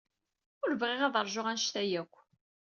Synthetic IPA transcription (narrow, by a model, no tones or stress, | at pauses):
ʊɾvʁɪʁæðəɾˤʒʊʁænʃt̪æjækʷː